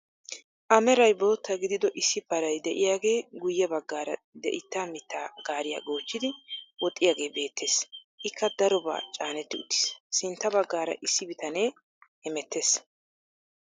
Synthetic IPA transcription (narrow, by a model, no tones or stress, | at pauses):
ʔɐmɛɾɐjbo̞ːt̪ːɐɡɪd̪ɪd̪ɔʔɪsːɪbɐɾɐjd̪ɛʔɪjaːɡe̞ːɡʊjːɛbɐɡːaːɾɐ̰ | d̪ɛ̰ʔɪt̪ːaːmɪt̪ːaːɡaːɾɪja̰ːɡo̞ːt͡ʃːɪd̪ɪwɔt̪ʼːɪjaːɡe̞ːbe̞ːt̪ʰːe̞ːs | ʔɪkʰːɐd̪ɐɾɔba̰ːt͡ʃʼaːnɛt̪ːɪʊt̪ːɪ̥ssɪnt̪ːɐbɐɡːaːɾɐ̰ʔɪsːɪbɪt̪ɐneː | hɛmɛt̪ʰːe̞ːs